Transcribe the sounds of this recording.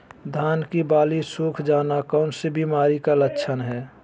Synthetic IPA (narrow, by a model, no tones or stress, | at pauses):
d̪ʱaːnkibaːlisuːkʰd͡ʒaːnakɔʊnsebʱimaːɾikalət͡ʃʰənɦɛː